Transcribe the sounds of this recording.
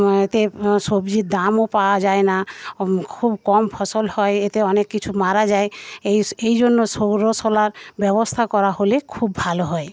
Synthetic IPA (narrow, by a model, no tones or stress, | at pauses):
et̪esobd͡ʒid̪amopawad͡ʒaena | kʰubkɔmpʰɔsɔlhɔeet̪eɔnekːit͡ʃʰumaɾad͡ʒaeejejd͡ʒonːosoɡɾosɔlaɾbɛbost̪ʰakɔɾaɦolekʰubbʱaloɦɔe